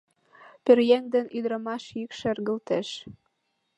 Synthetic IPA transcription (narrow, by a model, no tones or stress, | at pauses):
perjeŋd̪ĕnyd̪ɾɤ̆mɑʃikʃĕrɣə̆lt̪eʃ